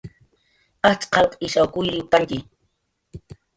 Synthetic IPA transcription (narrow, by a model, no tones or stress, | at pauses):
at͡ʃqɑlqɪʃawkʊjɾɪwt̪aŋkɪ